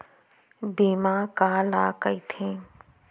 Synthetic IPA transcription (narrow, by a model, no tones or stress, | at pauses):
biːmaːkaːlaːkəit̪ʰẽː